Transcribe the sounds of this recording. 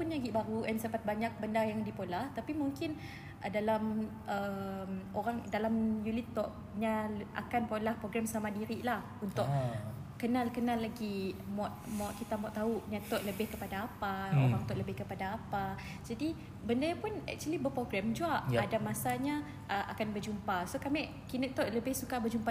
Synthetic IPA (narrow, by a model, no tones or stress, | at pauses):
pʊnɲaɡiʔbaɾuɛnsədapat̪̚baɲak̚bəndarjaŋdipolaht̪apimuŋkɪn | ədalam | əmoɾaŋdalamjulit̪ɔʔ̚ | ɲaʔa̰kanpolahpɾoɡɾɛmsamadiɾiʔlah | unt̪ʊʔ | kənalkənalːaɡimɔt̪̚mɔʔ̪̚kit̪amɔʔt̪ːauʔɲãt̪ɔʔləbɪhkəpadaːpaoɾaŋt̪ɔʔləbɪhkəpadaːpa | d͡ʒadi | bəndajapʊnɛ̰k̚t͡ʃuəlibəpɾoɡɾɛmd͡ʒuaʔjadamasaɲa | ʔəʔa̰kanbəd͡ʒumpasokamɛʔ | kinəʔt̪ɔʔləbɪhsukabəd͡ʒumpa